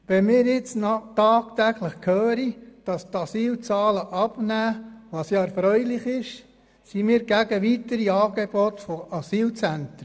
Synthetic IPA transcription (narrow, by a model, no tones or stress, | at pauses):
ʋɛnmɪːɾjɪt͡snɑtɑːk̚t̪æɡləχkʰhøːɾid̥ɑst̪ɑsiːlt͡sɑːləʔɑb̥næːʋɑsjɑːɛɾfɾœʏlɪχɪʃ | simiːɾɡ̥æɡəʋitəɾiɑːɡ̥eb̥otfoʔɑsiːlt͡sænt